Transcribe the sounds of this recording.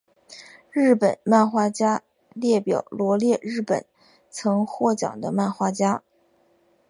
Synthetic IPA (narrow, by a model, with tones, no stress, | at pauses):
ɻɻ̩˥˩pə˨˩˦nma˥˩xwa˥t͡ɕja˥ | ljɛ˥˩pjɑ˨˩ʊlwɔ˧˥ljɛ˥˧ɻɻ̩˥˩pə̰˨˩˦n | t͡sʰɤ˧˥ŋxwɔ˥˩t͡ɕjɑ̰˨˩ŋd̪ə˦ma˥˩nxwa˥t͡ɕja˥